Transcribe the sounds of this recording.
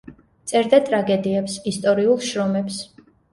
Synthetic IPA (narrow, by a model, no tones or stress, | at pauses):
t̪sʼɛɾd̪at̪ʼɾaɡɛd̪iɛpsist̪ʼɔɾiulˠʃɾɔmɛps